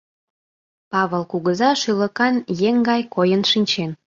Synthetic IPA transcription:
pɑβəlkuɣəzɑʃylə̆kɑnjeŋɡɑjkojənʃinʲt͡ɕen

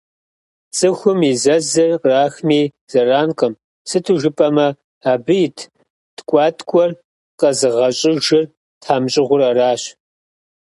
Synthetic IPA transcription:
t͡sʼɨxʷʊmizɐzɨrraːxmiː | z̥ɐraːnqʼəm | sɨtʰuʒɨpʼɐmɐ | aːbɨjɪtʰ | tkʷʼɑːtʰʼkʷʼɔr | qɐzɨʁɐɕʼɪʒɪr | tʰaːmɕʼɪʁʷʊɾɐraːɕ

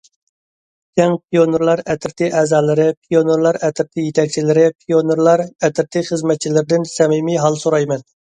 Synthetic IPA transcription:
k̪ʲʰɛŋpʰijonuɾlˠɑɾɛt̪ʰɪɾt̪ʰɪʔɛzɑːlˠɨɾɪpʰijonuɾlˠɑɾɛt̪ʰɪɾt̪ʰɪjet̪ʰɛk̚ʲt͡ʃʰilɪɾɪpʰijonuɾlˠɑɾɛt̪ʰɪɾt̪ʰɪχəzmɛt̪̚t͡ʃʰilɪɾɪd̪ɪnsɛmimiɦɑlˠsoɾɑjmɛn

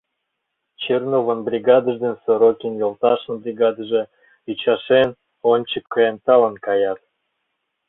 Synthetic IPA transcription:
t͡ɕernovə̆nbɾʲiɡɑd̪ə̆ʒd̪ensoɾokʲinjolt̪ɑʃənbɾʲiɡɑd̪əʒĕ | yt͡ɕɑʃen | onʲt͡ɕəkːɤent̪ɑlənkɑjɑt̪̚

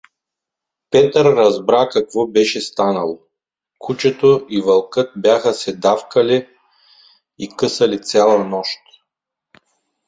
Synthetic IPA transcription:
pɛt̪əɾːɐzbɾakɐkvɔbɛʃɛst̪anɐlˠo | kʰut͡ʃɛt̪oʔivɐlˠkɤt̪̚bjaxɐsɛd̪afkɐli | ikɤsɐlit̪sʲalˠɐnɔʃt̪

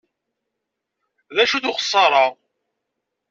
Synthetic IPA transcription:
ðæʃuðʊχə̥sˤːɑɾˤɑ

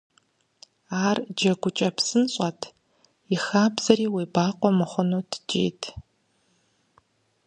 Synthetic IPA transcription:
aːrd͡ʒɐɡʷʊt͡ʃʼɐpsɨnɕʼɐtʰ | ixaːbz̥ɐɾiːweːbaːqʷʼɔmɨχʷʊnoːtʰd͡ʒʼḛːtʰ

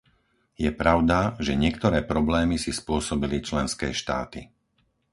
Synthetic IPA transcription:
jɛpɾaʊd̪aʒɛɲɪɛkt̪ɔɾɛːpɾɔblɛːmisispʊɔsɔbilit͡ʃlɛnskɛ̰ːʃt̪a̰ːt̪i

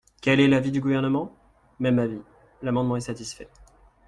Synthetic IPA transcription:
kʲɛlɛlavid̪yɡuvɛʁnəmɑ̃ | mɛmːavi | lamɑ̃d̪mɑ̃ɛsat̪isfɛ

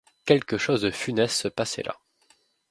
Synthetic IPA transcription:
kʲɛlkəʃozd̪əfynɛst̪səpasɛ̰lʔa̰

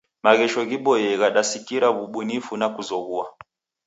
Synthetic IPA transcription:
maɣɛʃɔɣiɓɔjɛɣaɗasikiɾaβuɓunifunakuzɔɣua

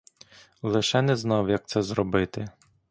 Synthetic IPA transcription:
lˠɪʃɛnɛznɑwjɐk̚t̪sɛzrɔbɪt̪ɪ

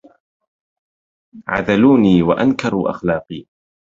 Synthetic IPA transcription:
ʕa̰ðaluːniːwaʔankɑɾˤuːʔa̰xlɑːqiː

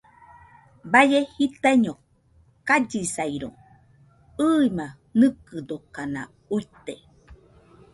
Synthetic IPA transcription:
bajehit̪aiɲo | kad͡ʒisajɾo̰ | ɨːima | nɨkɨd̪okana̰ | uit̪e

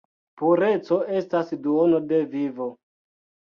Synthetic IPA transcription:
puɾe̞t͡so̞e̞stasduono̞de̞vivo

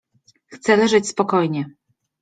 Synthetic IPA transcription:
xt̪sɛlɛʐɘt͡ɕspɔkɔjɲɛ

